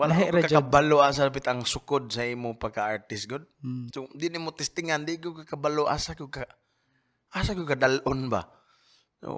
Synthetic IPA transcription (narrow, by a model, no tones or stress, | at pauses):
walakɦɾkakabalɔas̬adap̬it̪aŋsʊkʊd̪̚saimʊpakaaɹt̪ɪs̚ɡʊd̪̚sʊdinimʊt̪ɛst̪ɪŋandikukakabaloʔa̰sakʊka | ʔasakukadalʔʊnba̰ | o̰